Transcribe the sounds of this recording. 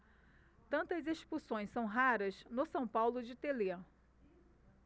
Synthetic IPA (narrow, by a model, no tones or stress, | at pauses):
t̪ɐ̃nt̪ɐzeʃpusõj̃sɐ̃w̃ɦaɾɐznʊsɐ̃w̃pawlʊd͡ʒɪt̪ele